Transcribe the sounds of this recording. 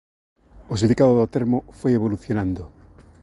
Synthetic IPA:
osind̪ikaðoðot̪eɾmofojeβoluθjonãnd̪ʊ

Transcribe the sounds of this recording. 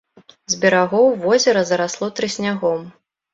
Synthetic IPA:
zʲbʲɛɾaɣɔwvɔzʲɛɾɐzɐɾaslˠɔt̪ɾɨsʲnʲaɣɔm

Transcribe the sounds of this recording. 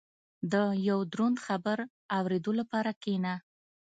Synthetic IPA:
d̪əjawd̪ɾund̪xabəɾ | awɾed̪olapɑɾakena

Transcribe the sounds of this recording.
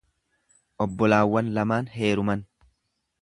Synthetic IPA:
ʔɔbːɔlaːwːɐnlɐmaːnɦe̞ːɾʊmɐn

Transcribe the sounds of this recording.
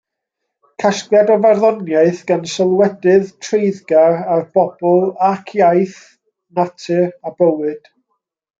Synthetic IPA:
kʰaskljadɔvarðɔnjaɨθɡ̥ansɔlˠwɛdɨðtʰrejðɡaɾarb̥ɔb̥ɔlˠakʰjajθ | natʰɨrabəwɨd̥

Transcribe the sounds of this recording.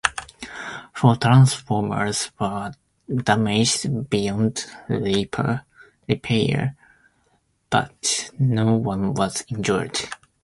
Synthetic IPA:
fɔt̪ʰɹ̥ãnsfɔɹmə̰˞z̥wə˞ | dæmɪd͡ʒdbijɔ̃ndlipʰə̰˞ | ɹipʰeə̰˞ | b̥ʌ̰tnoʊwʌ̃nwʌz̥ɛ̃nd͡ʒɔɹd̥

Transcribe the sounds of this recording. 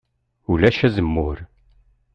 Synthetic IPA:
ulæʃæzəmːʊɾ

